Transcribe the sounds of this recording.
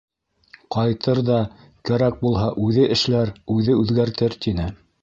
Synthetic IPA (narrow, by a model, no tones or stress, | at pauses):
qɑjt̪ɤɾðɑ | kæɾæk̚bulˠɦɑʔʉðɘʔɘ̆ʃlæɾʉðɘʉðɡæɾt̪ɘɾt̪inɘ